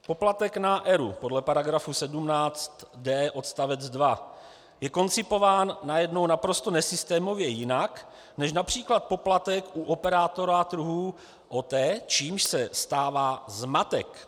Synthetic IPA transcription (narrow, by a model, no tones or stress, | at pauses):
po̞plat̪ɛknaʔɛɾṵpo̞dlɛpaɾaɡɾafusɛdumnaːt͡st̪dɛːʔo̞t̪st̪avɛd͡zdva | jɛko̞nt͡sɪpo̞vaːnːajɛdno̞wnapɾo̞st̪o̞nɛsɪst̪ɛːmo̞vjɛjɪnak | nɛʃ̬napr̝̥iːklat̪̚po̞plat̪ɛkʔuʔopɛɾaːt̪o̞ɾat̪ɾuɦuː | ʔot̪ɛːt͡ʃiːmʃsɛst̪aːvaːzmat̪ɛk